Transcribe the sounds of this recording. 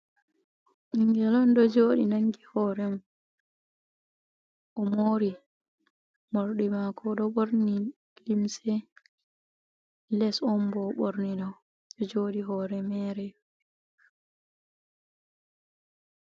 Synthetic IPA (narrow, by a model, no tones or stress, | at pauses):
ʔiŋɡɛlɔndɔd͡ʒoːɗinaŋɡihɔːɾɛm | ʔɔmoːɾi | moɾɗimakʰɔɗɔɓoɾni | limsɛ | lɛsɔmbɔɓoɾnidɔw | ɗɔd͡ʒoːɗiɦɔɾɛmɛːɾɛ